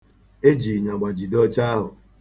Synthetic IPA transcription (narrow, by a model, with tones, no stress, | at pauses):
e˦d͡ʒi˨ɲa˨ɡ͡ba˨d͡ʒi˨dɔ˦t͡ʃa˦a˦ɦʊ˨